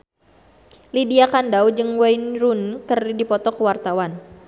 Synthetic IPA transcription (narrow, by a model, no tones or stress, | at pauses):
lidiakandawd͡ʒɨŋwajnɾunkərdipɔt̪ɔkəwart̪awan